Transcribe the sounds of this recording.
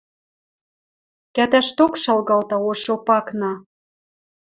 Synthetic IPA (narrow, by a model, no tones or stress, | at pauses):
kæt̪æʃt̪okʃɑlɣɑlt̪ɑoʃopɑknɑ